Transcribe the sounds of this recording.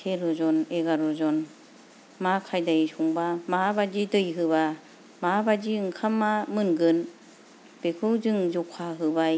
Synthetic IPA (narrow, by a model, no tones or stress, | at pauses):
tʰeɾɔzɔneɡaɾɔzɔn | makʰajdajsuŋbamabad͡ʒidɯjɦɯβa | mabad͡ʒiɯŋkʰamːamɯnɡɯn | b̥ekʰɯwzɯŋzɔkʰaɦɯbaj